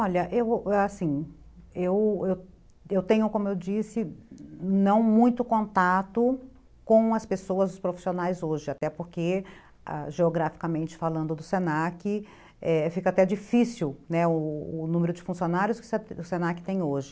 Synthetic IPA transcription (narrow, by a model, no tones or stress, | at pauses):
ɔʎɐʔewasĩ | ewew | ewt̪ẽɲʊkõmʊewd͡ʒisɪ | nɐ̃w̃mũj̃t̪ʊkõnt̪at̪ʊ | kõw̃ɐspesoɐzʊspɾofi̥sionajzoʒɪat̪ɛpoɾke | a̰ʒeoɡɾafi̥kamẽnt͡ʃɪ̥falɐ̃nd̪ʊd̪ʊsẽnakɪ | ɛfikɐat̪ɛd͡ʒifisiwnɛʊːnũmeɾʊd͡ʒɪfũsionaɾjʊskɪ̥sʊsenakɪ̥t̪ẽj̃oʒɪ